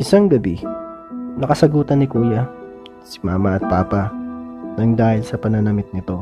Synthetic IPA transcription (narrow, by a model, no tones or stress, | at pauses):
ʔɪsaŋɡɐbi | nɐkɐsɐɡuːt̪ɐnːɪkuːjɐ | sɪ̥maːmɐɐt̪̚paːpɐnɐŋd̪aːhɪlsɐpɐnɐnɐmɪt̪̚nɪt̪o̞